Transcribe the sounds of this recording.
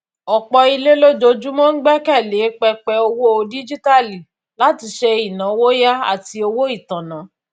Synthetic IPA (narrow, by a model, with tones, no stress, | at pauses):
ɔ˨k͡pɔ˧i˧le˦lo˦d͡ʒo˧d͡ʒu˦mɔ̃˦n̩˦ɡ͡bɛ˦kɛ˦˨le˨˦k͡pɛ˧k͡pɛ˧o˧wo˦o˧di˦d͡ʒi˦ta˦li˨ | la˨˦ti˧ʃe˧i˨nã˨˦wo˦ja˦a̰˦˨ti˧o˧wo˦i˦˨tã˨nã˨˦